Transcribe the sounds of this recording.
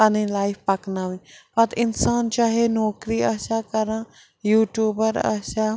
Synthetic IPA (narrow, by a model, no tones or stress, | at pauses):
aːnĩlaːɪfpɐknaːʋĩpɐt̪ɪnsaːnt͡ʃaːɦenoːkɾiɐʃakɐɾã | juːʈjuːbəɾɐ̰ʃa